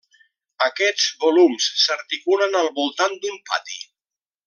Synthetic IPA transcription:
əkɛd͡zβulumsːəɾt̪ikulənəlˠβulˠt̪and̪impa̰t̪i

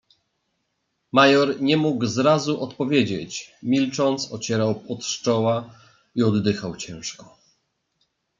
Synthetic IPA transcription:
majɔɾɲɛmuɡzɾazuʔɔt̪pɔvʲjed͡ʑet͡ɕmʲilt͡ʂɔnt̪sɔ̰t͡ɕɛɾawpɔt̪ʂt͡ʂɔwa | iɔd̪ːɘxawt͡ɕɛ̃w̃ʂkɔ

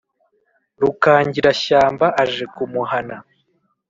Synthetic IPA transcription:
ɾukaːɲɟiɾaɕaːmbaʔaʒe̞kumuhana

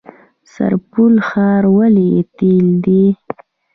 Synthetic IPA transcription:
sa̰ɾpulxɑɾwalijet̪ild̪i

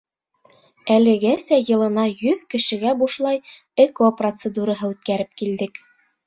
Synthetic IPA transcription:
ælɘ̆ɡæsæjɤ̆lˠɤ̆nɑjɵðkɘ̆ʃɘ̆ɡæbuʃlˠɑj | ekoprot̪sed̪uɾɑɦɤʉt̪̚kæɾɘp̚kild̪ɘk

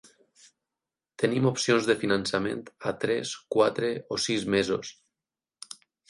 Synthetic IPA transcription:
t̪enimopsionzðefinansamḛ̃nt̪at̪ɾɛskwat̪ɾeosizmezos

